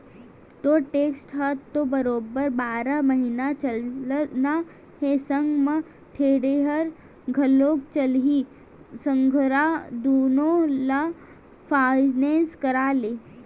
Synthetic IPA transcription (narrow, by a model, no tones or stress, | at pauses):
t̪oʈeːksʈɦɐt̪ːobɐɾoːbəɾbaːɾaməɦiːnat͡ʃɐlna | ɦesəŋɡmə̃ | ʈʰeːɽeɦɐɾ | ɡʱɐloːkt͡ʃɐlɦi | sə̃ŋɡʱɾad̪oːnõla | pʰaːd͡ʒneːskɐɾaːleː